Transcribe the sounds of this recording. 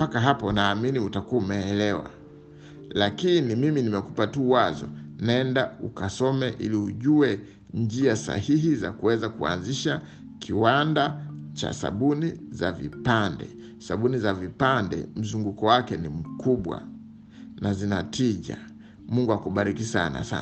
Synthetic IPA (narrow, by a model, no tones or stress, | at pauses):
pakaɦapɔnaːminiutakuumɛːlɛwa̰ | lakinimiminimɛkupatuwazɔ̰naɛndaukasɔmɛʔḭliuʄuɛ | nd͡ʒiasa̰hiɦiza̰kuwɛzakua̰nziʃa | kʰiwandat͡ʃa̰sa̰ɓunizavḭpandɛ̰ | saɓunizavipandɛ̰m̩zuŋɡukɔwakɛnim̩kuɓwa̰ | nazinatiʄa̰ | muŋɡuakuɓaɾikisa̰na̰sa̰